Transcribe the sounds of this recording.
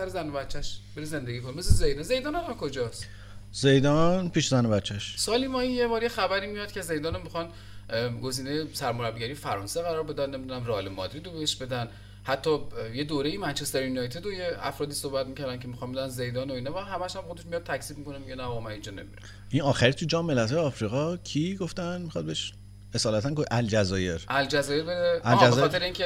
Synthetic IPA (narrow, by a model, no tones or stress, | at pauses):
sæɾezænobæt̪t͡ʃʰːæʃbeɾeze̞nd̪eɡiːkʰonemes̬lezejd̪ɒnze̞jd̪ɒːnænakʰod͡ʒɒs | zejd̪ɒnpʰiːʃzænobætt͡ʃʰːæʃsɒːlimɒːinjebɒːɾjexæbæɾiːmijɒd̪̥̚cʰʲeze̞jd̪ɒːnamːixɒn | ɡoziːnejesæɾmoɾæbɡɟæɾijefæɾɒːnseɣæɾɒːɾbe̞d̪ænnːemid̪unæmreɒːlemɒːd̪ɾiːd̪obeheʃbe̞d̪æn | hæt̪ʰːɒje̞d̪oːɾejimænt͡ʃʰest̪eɾjunɒjt̪ʰed̪ojeæ̰fɾɒːd̪iːsohbæt̪̚micʰæɾd̪ænkʰemixɒnbe̞d̪ænze̞jd̪ɒːnoinɒvæɦæmæʃhæmxod̪eʃmijɒd̪̚t̪ʰæcz̥iːb̚mikʰo̞nemiɟenæbɒmæind͡ʒɒnḛmiɾe | ʔinɒːxæɾit̪ʰud͡ʒɒːmːelæt̪hɒːjeɒːfɾiɣɒcʰiɡoft̪ænmixɒd̪beeʃ | esɒːlæt̪ʰænɡoʔæld͡ʒæzɒːjeɾʔæld͡ʒæzɒːje̞ɾbed̪eælæzexɔt̪eɾeiːncʰe